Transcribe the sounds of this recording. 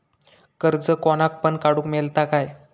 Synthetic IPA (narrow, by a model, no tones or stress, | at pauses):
kəɾd͡zəkɔnak̚pəɳkaɽũkmelt̪akaj